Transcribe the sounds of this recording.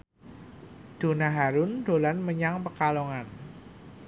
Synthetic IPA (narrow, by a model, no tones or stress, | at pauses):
d̥o̤naɦaɾʊndo̤lanməɲaŋpəkalɔŋan